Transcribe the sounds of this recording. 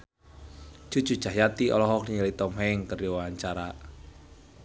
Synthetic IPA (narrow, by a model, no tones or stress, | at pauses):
d͡ʒ̥ṳ̥ʒ̥ṳ̥ʒ̥a̤ɦjat̪iʔɔ̰lɔɦɔk̚nialit̪ɔmɦɛŋkəruwaaɲt͡ʃaɾa